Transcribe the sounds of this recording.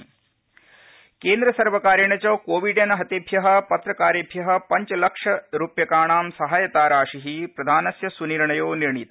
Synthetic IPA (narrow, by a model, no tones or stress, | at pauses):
keːnd̪ɾɐsɐɾʋɐkaːɾjɐɳɐt͡ʃɐːkoːʋiɖɐnɐɦɐt̪ebʱjɐɦɐ̆pɐt̪ɾɐkaːɾjɐbʱjɐɦɐ̆pɐɲt͡ʃɐlɐkʂɐɾuːpjɐkaːɳaːmsɐɦaːjɐt̪aːɾaːʂiɦipɾɐd̪ʱaːnɐsjɐsuniɾɳɐjoːniɾɳit̪ɐ